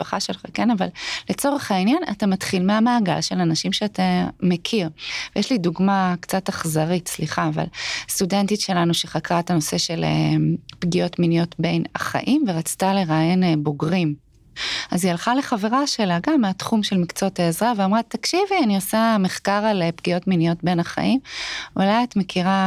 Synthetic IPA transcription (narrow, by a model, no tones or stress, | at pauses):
paχaʃelχakenava̰lle̞t͡so̞ʁe̞χainjana̰tamatχilmeamaːɡa̰lʃe̞lanaʃimʃeatamekʰiʁvejeʃliduɡmakt͡sataχzaʁitsliχaːva̰lstudentitʃe̞lanuʃeχakʁaetano̞se̞ʃe̞lḛpɡio̞tminijo̞tbenaχa̰ʔimveʁat͡stale̞ʁajenbo̞ɡʁim | azialχale̞χaveʁaʃe̞laɡamːeatχumʃelmikt͡sotaezʁaveamʁatakʃivianiosame̞χkaʁalepɡio̞tminijo̞tbenaχa̰ʔimulajatme̞kʰiʁa